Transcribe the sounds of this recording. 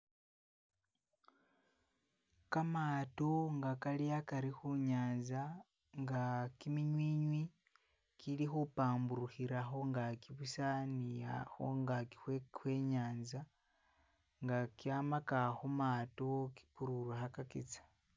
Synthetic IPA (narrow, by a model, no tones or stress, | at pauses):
kamatoŋɡakalijakaɾixuɲaːnza | ŋɡakimiɲwiɲwi | kilixupaːmbuɾuxiɾaxo̞ŋɡakiβusaniaxo̰ŋɡakixwe̞ːɲaːnza | ŋɡakiamakaxomatoki̥kuɾuɾwaxakakḭt͡sḁ